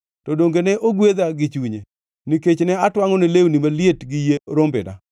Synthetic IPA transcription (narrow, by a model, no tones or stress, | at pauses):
tɔdoŋɡenɛʔoɡwed̪aɡɪt͡ʃuɲe | niket͡ʃnɛatwaŋɔnelewnimalietɡɪjeɾombɪ̰da̰